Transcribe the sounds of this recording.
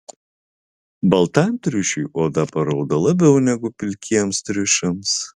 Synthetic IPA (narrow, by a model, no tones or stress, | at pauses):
bɐlˠt̪ɑmʲt̪ʲɾʲʊʃʲʊjoːd̪ɐpɐɾɐʊd̪ɐlˠɐbʲɛʊnʲɛɡʊpʲɪlʲkʲiɛmst̪ʲɾʲɪʃɐms